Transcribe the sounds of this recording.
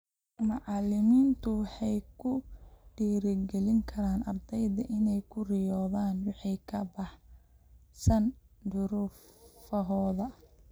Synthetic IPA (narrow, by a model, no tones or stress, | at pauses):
mʊʕɑlɪmiːnt̪ʰʊwħɑjkʰʊɖ̥iːɾɪɡɛlɪŋkʰɐɾaːnʔɐ̰rd̪ɛjðɐʔɪnɛjkʰʊrɪjɔːðaːnwɑħɑjkʰɐbɑħ | sɐnd̪ʊɾʊffɐɦɔːðɐ